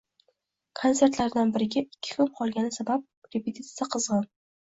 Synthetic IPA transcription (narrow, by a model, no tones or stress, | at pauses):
kʰont̪e̞ɾt̪laɾd̪anbɪɾɪɡʲaɪkʲʰːɪ̥kʊmqʰɒlˠɡʲanɪsabap̚ɾʲepʰet̪ʰit̪sijaqʰɨzʁɑn